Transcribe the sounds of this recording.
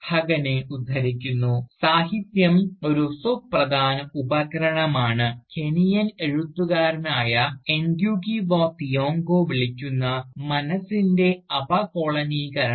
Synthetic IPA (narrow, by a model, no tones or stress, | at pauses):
hɐɡɐneud̪ʱːɐɾikʲːunːusaːɦit̪jɐmo̞ɾusuprɐd̪ʱaːnɐubɐkɐɾɐɳɐmaːɳɨkʰe̞nijɐneɻut̪ːuɣaːɾɐnaːjɐeŋɡjuːkiʋoːt̪ijo̞ːŋɡoːʋiɭikʲːunːɐmɐnɐsinde̞ɐbɐkoːɭɐnikɐɾɐ